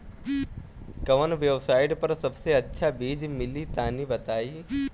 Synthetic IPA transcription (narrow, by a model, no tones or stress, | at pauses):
kɐʋənʋebsaːɪɖpɐɾsɐbseɐtːʃʰabiːd͡ʒmɪlit̪aːnibɐt̪aːiː